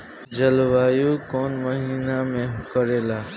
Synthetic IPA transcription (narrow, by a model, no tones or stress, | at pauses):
d͡ʒəlwaːjukoːnməɦiːnamẽkəɾelaː